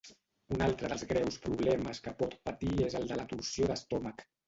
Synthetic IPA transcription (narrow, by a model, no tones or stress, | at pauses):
unalˠt̪ɾəðəlˠzɣɾɛwspɾuβlɛməskəpɔt̪pət̪iezəlˠd̪ələt̪usioðəst̪ɔmək